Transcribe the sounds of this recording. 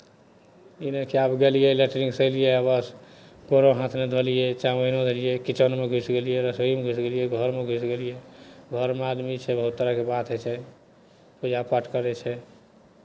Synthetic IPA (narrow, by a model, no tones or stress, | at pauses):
inəkiabɡelijɛleʈɾĩŋɡsəlijeəbəs | koɾoɦãt̪ʰned̪ʱolijet͡ʃaməinõd̪ʱelijɛkit͡ʃənmeɡʱusɡelijeɾəsoimeɡʱusɡelijɛɡʱəɾmeɡʱusɡelijeɡʱəɾmead̪mit͡ʃʰɛbəɦut̪ːəɾəɦkebat̪ʰɦet͡ʃʰɛ | pud͡ʒʱapaʈkəɾɛt͡ʃʰɛ